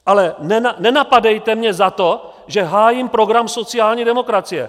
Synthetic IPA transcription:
ʔalɛnɛnanɛnapadɛjt̪ɛmɲɛzat̪o̞ | ʒɛɦaːjimpɾo̞ɡɾamso̞t͡sɪaːlɲiːdɛmo̞kɾat͡sɪjɛ̰

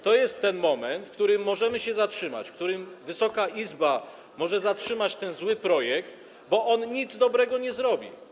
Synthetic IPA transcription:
t̪ɔjɛst̪ːɛnmɔmɛnt̪fkt̪uɾɘmːɔʐɛmɘɕɛzatʂɘma̰t͡ɕfkt̪uɾɘmvɘsɔkaizba | mɔʐɛzatʂɘmat͡ɕt̪ɛnzwɘpɾɔjɛkt̪ | bɔʔɔnɲid̪zd̪ɔbɾɛɡɔɲɛzɾɔbʲḭ

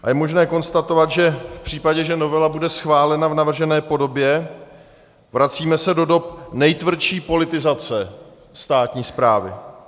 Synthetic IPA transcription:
ʔajɛmo̞ʒnɛːko̞nst̪at̪o̞vat̪ʒɛfpr̥iːpaɟɛʒɛno̞vɛlabudɛsxvaːlɛnavnavr̩ʒɛnɛːpo̞do̞bjɛ | vɾat͡siːmɛsɛdo̞do̞p̚nɛjt̪vr̩ʃiːpo̞lɪt̪ɪzat͡sɛ | st̪aːt̪ɲiːspɾaːvɪ̰

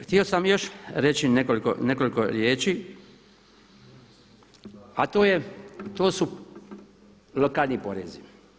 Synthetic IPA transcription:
xt̪io̞samjo̞ʃɾet͡ʃinekoliko̰ne̞ko̞likoɾjeːt͡ʃiː | at̪oːjet̪oːsu | lokaːlnipo̞̰ɾḛzi

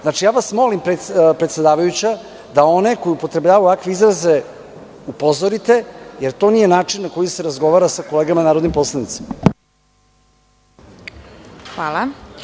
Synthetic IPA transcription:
znat͡ʃijaːʋasmo̞limpɾepɾet̪sʲed̪aːʋajut͡ɕa | d̪ao̞ne̞ko̞jupo̞t̪ɾe̞bʎaːʋauakʋiizɾaze | upo̞zoɾit̪e̞jeɾt̪o̞nije̞naːt͡ʂinːako̞jise̞ɾazɡo̞ʋaːɾasako̞leːɡamanaːɾod̪nimpo̞slˠanit̪se̥ma | xʋalˠa

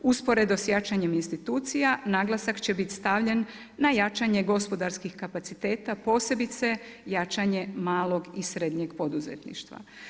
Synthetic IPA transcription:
uspo̞ɾe̞d̪osjat͡ʃaɲe̞minst̪it̪uːt̪sijanaːɡlasakt͡ɕe̞bit̪ʲst̪aʋʎe̞nː | ajat͡ʃaɲe̞ɡo̞spo̞d̪aɾskixkapat̪sit̪e̞ːt̪apo̞ːse̞bit̪se̞jat͡ʃaɲe̞maːlo̞ɡisɾe̞d̪ɲe̞ɡpo̞d̪uzḛt̪nḭʃt̪ʋa̰

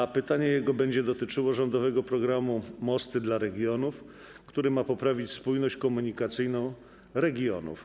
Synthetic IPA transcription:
pɘt̪aɲɛjɛɡɔbɛɲd͡ʑɛd̪ɔt̪ɘt͡ʂɘwɔʐɔnd̪ɔvɛɡɔpɾɔɡɾamumɔst̪ɘd̪laɾɛɡʲjɔnuf | kt̪uɾɘmapɔpɾavʲit͡ɕspujnɔɕt͡ɕkɔmuɲikat̪sɘjnɔ̃w̃ | ɾɛɡʲjɔ̰nṵf

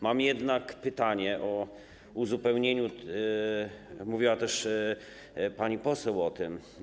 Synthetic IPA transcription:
mamjɛd̪nakpɘt̪aɲɛʔɔ | uzupɛwɲeɲu | muvʲiwat̪ɛʂ | paɲipɔsɛwɔt̪ɘm

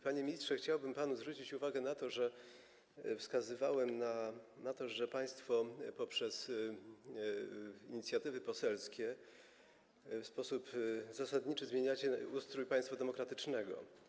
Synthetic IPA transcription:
paɲemʲistʂɛxt͡ɕawbɘmpanuzvɾut͡ɕit͡ɕuvaɡɛnat̪ɔʐɛ | fskazɘvawɛmnanat̪ɔʐɛpaj̃st̪fɔpɔpʂɛs | iɲit̪sʲjat̪ɘvɘpɔsɛlskʲɛ | fspɔsupzasad̪ɲit͡ʂɘzmʲjeɲat͡ɕɛust̪ɾujpaj̃st̪fad̪ɛmɔkɾat̪ɘt͡ʂnɛɡɔ̰

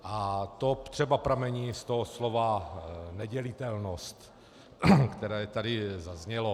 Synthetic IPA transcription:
ʔat̪ot̪r̝̥ɛbapɾamɛɲiːst̪oɦoslovanɛɟɛlɪt̪ɛlnost̪ | kt̪ɛɾɛːt̪adɪzazɲɛlo

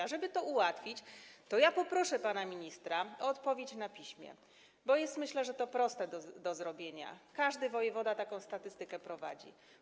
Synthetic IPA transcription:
aʐɛbɘt̪ɔuwat̪fʲit͡ɕt̪ɔjapɔpɾɔʂɛpanamʲiɲist̪ɾaɔːt̪pɔvʲjet͡ɕnapʲiɕmʲjɛ̰ | bɔjɛst̪mɘɕlɛʐɛt̪ɔpɾɔst̪ɛd̪ɔd̪ɔzɾɔbʲjeɲa̰kaʐd̪ɘvɔjɛvɔd̪at̪akɔ̃w̃st̪at̪ɘst̪ɘkɛpɾɔva̰d͡ʑḭ

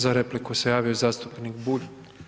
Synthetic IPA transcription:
zaɾeplikusejaːʋiozaːst̪upnikbuʎ

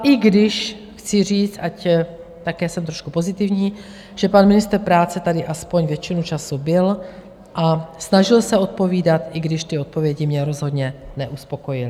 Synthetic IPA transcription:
ʔɪɡdɪʃ | xt͡sɪr̝iːt͡st̪ʔac | t̪akɛːsɛmt̪ɾoʃkupo̞zɪt̪ɪvɲiː | ʒ̥ɛpanmɪnɪst̪rpɾaːt͡sɛt̪adɪʔaspo̞ɲvjɛt͡ʃɪnut͡ʃasubɪl | ʔasnaʒɪlsɛo̞t̪̚po̞viːdat̪ʔɪɡdɪʃt̪ɪo̞t̪̚povjɛɟɪmɲɛɾo̞zɦo̞d̪ɲɛnɛʔuspo̞ko̞jɪl

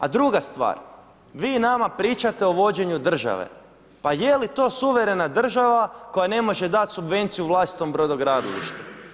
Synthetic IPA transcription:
a̰d̪ɾuɡast̪ʋa̰ːɾ | ʋiːnamapɾiːt͡ʃat̪e̞o̞ʋo̞d͡ʑe̞ɲud̪r̩ʒa̰ʋḛ | pajelit̪o̞ːsuʋe̞ɾe̞nad̪r̩ʒaʋako̞jane̞mo̞ʒe̞d̪at̪subʋe̞nt̪sijuʋlˠaːsi̥t̪o̞mbɾo̞d̪oɡɾad̪olḭʃt̪u̥

